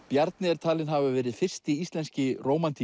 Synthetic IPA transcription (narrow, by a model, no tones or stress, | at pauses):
pjaɾt̪nɪɛɾt̪ʰaːlɪnɦavʏvɛːɾɪðfɪr̥st̪iist̪lɛnscɪroːwmant̪ʰi